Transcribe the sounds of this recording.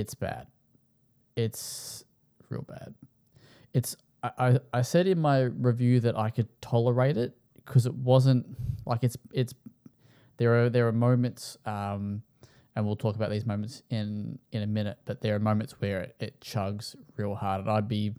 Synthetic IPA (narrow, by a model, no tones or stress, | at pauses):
ɨtsb̥æ̰d̥ | ɪts | ɹɪ̰lˠb̥æ̰d̥̚ | ɨts | aɪʔaɪaɪsɛɾɨ̃nmaɪɹɨvjʉðɨɾʔa̰ɪkʰɨd̚tʰɑlˠə˞eɪɾɪt̚ | kʰʌzɨt̚wʌzɨ̃nt̚lʔa̰ɪkɨtsɪts | ðə˞ːðə˞ːmõʊ̃mɨ̃ntsʌ̃m | ɨ̃nwilˠtʰɔkəbaʊt̪̚ðizmõʊ̃mɨ̃ntsɪ̃nɨ̃nɨmɪ̃nɨt̚b̥ʌt̪̚ðə˞ːmõʊ̃mɨ̃ntswə˞ɪt̚t͡ʃʰʌɡz̥ɹilˠhɑɹɾ̃naɪd̚bi